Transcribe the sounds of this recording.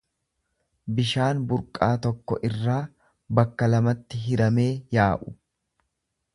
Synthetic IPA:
bɪʃaːnbʊɾkʼaːt̪ɔkːɔʔɪrːaː | bɐkːɐlɐmɐt̪ːɪɦɪɾɐme̞ːjaːʔʊ

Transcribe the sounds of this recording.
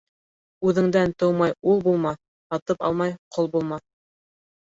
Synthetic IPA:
ʉðɘ̆ŋd̪ænt̪ɤwmɑjulˠbulˠmɑ | hɑt̪ɤpɑ̰lˠmɑjqʰolˠbulˠmɑ

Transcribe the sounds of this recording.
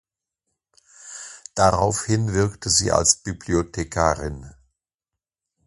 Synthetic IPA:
d̥aʁaʊfhɪnvɪɐktʰəzḭːʔa̰lsb̥ybliotʰekʰaːʁɪn

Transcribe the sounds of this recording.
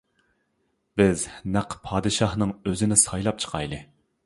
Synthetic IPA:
b̥ɪznæqʰpʰɑːd̪ɨʃɑhnɨŋøzɪnɪsɑjlˠɑp̚t͡ʃʰə̥qʰɑjlˠɨ

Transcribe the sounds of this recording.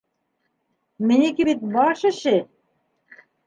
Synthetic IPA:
mɘ̆nʲekeβit̪bɑʃɤ̆ɕɘ̆

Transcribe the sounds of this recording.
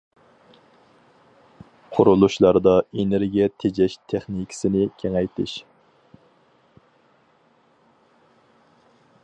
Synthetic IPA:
qʰʊɾulˠuʃlˠɑɾd̪ɑeneɾɡʲijɛt̪ʰed͡ʒɛʃt̪ʰeχnikʲʰɪ̥sɪnɪkʲʰeŋɛjt̪ʰɪʃ

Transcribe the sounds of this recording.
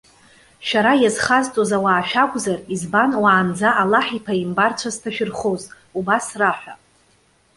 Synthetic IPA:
ʃaɾajazχazt͡sʼozawaːʃᶣakʷʼzarizbanwaːmd͡zaʔalaħipʰaimbart͡sʷʰaztʰaʃᶣɪrχoz | ubasraħʷᶣa

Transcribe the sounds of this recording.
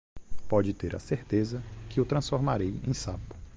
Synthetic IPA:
pɔd͡ʒɪt̪eɾʔɐ̰seɾt̪ezɐkɪʊt̪ɾɐ̃sfoɾmaɾejẽj̃sapʊ̥

